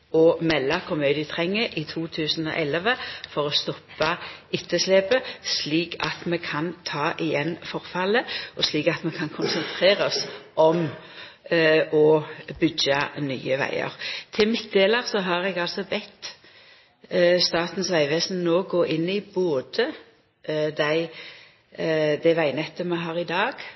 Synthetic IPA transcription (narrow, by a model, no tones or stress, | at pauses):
ɔmɛlːɑkʰʊmøːd̪ɪət̪ʰʁɛŋːəʔɪt̪ʰuːt̪ʰʉːsənɔ̰ʔɛləʋəfɔʁɔst̪ɔpːɑʏt̪ʰːəsleːpəsliːkʰɑ̰t̪mɛkʰɑnt̪ʰɑːʔɪjɛnːfɔʁfɑləɔsliːkɑt̪mɛkʰɑnkʰʊnsənt̪ʰʁeːʁɔsʔɔm | ɔbʏɡɑny̰ːəʋæ̰ɪə̰ʁt̪ʰɪlmɪt̪̚d̪eːləʁsɔɦɑʁɛɡɑlsɔbɛt̪ː | st̪ɑːt̪n̩sʋæɪʋɛːsn̩noːɡoːʔɪnːɪboːd̪ə | d̪æɪ | d̪æɪʋæɪnɛt̪ːəmɛɦɑːʁɪd̪ɑːɡ̥